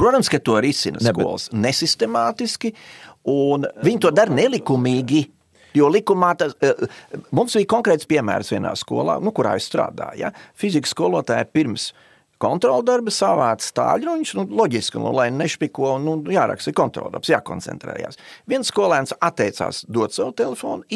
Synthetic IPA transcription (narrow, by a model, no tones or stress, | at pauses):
pɾuɔt̪amskat̪uɔɾisinəskṵɔl̰ˠsnesist̪emaːt̪iskiunʋiɲt̪uɔd̪aɾnelˠikumiːɡi | juɔlˠikumaːt̪a | mumsbiːkɔŋkɾɛːt̪spiɛmæ̰ːɾsʋʲiɛna̰ːskṵɔlˠa̰ːnukuɾa̰ːist̪ɾa̰ːd̪a̰ːja̰fizikskuɔlˠuɔt̪a̰ːjpiɾms | kɔnt̪ɾɔːlˠd̪aɾbsaʋaːt̪st̪a̰ːʎʲɾuiɲsnulˠɔɟisklṵlˠajnɛʃpʲikuɔnnujaːɾa̰kst̪ikɔnt̪ɾɔ̰lˠd̪a̰ɾbsja̰ːkɔ̰nɛ̰nt̪ɾɛ̰ːja̰ːsʋiɛnskuɔlˠæːnsat̪ːɛjt̪sa̰ːsd̪uɔt̪sawʊt̪ɛlˠefo̰ːn